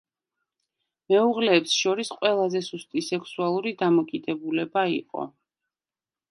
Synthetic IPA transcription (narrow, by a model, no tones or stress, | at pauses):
mɛuʁlɛːpsʃɔɾisqʼwɛlˠazɛsust̪ʼisɛksualˠuɾid̪amɔkʼid̪ɛbulɛbaiqʼɔ̰